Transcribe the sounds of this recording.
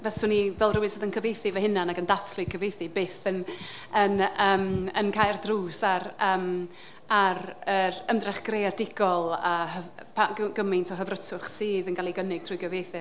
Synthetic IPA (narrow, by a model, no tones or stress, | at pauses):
vɛsʊnivɛlˠruwɪsoðənkʰəvejθɨvəhɪnanaɡəndaθlˠɨkʰəvejθɨbeːθən | ənəːmənkʰajrdruːsaɾəːm | aɾəɾəmdrɛχɡ̥rejadɪɡɔlˠəəvpʰaɡɡ̥əmɪntʰɔɦəvrətʰʊχsiːðənɡalˠiɡənɪɡ̚tʰr̥ujɡəvejθɨ